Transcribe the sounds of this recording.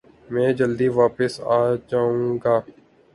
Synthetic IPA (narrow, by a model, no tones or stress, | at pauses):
mɛ̃ːd͡ʒəld̪iːʋaːpəsaːd͡ʒaːũːɡaː